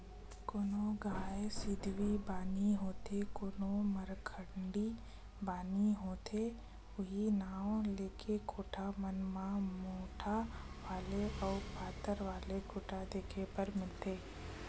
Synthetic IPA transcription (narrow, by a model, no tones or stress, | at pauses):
koːnoɡaːesɪd̪ʱʋibaːniɦoːt̪ekoːnoməɾkʰəɳɖi | baːniɦoːt̪ʰe | ʊɦinãːleːkʰekʰoːʈʰamənmãmoːʈʰaʋaːleɔːpaːt̪əɾʋaːlekʰoːʈʰad̪eːkʰepəɾmɪlt̪eː